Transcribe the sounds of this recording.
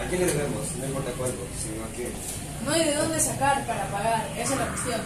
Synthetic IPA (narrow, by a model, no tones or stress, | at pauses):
akileðeβemosnoĩjmpoɾt̪akweɾposinoake | noajðeðond̪e̞sakaɾpaɾapaɣaɾkeselakeθjon